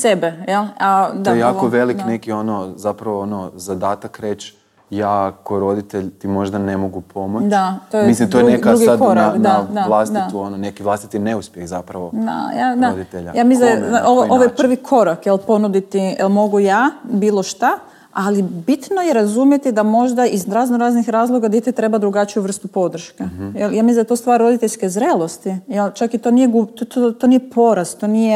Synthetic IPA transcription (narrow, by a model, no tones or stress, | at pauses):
sebejelˠad̪ajejakoʋe̞liknekio̞nozapɾaʋoonozad̪aːt̪akɾet͡ʃ | jaːkoɾo̞d̪it̪eʎt̪imo̞ʒd̪ane̞mo̞ɡupʰo̞modt͡ʃd̪at̪ojeislimt̪ojɾunekaɾuɡiakoɾɾaad̪ad̪aʋlˠast̪iauononekiʋlˠaːst̪i̥t̪eneuspʲjexzapɾaʋo̞d̪a̰jad̪aod̪it̪eʎa̰jaːmiseoʋoʔoʋojepr̩ʋikʰo̞ɾakjelˠpo̞nud̪it̪iɛlˠmo̞ɡujabiːlˠo̞ʃt̪a | alibit̪no̞jeɾazumje̞t̪id̪amo̞ʒd̪aizɾaznoɾaznixɾaːzlˠo̞ɡad̪it̪it̪ɾe̞bad̪ɾuɡat͡ʃijuʋr̩st̪upo̞d̪r̩ʃkejeljaːmisld̪t̪ost̪ʋaːɾɾo̞d̪it̪eʎʲskezɾelˠo̞st̪ijelt͡ʃakit̪o̞ːnijeɡut̪ot̪onijepo̞ɾast̪t̪onije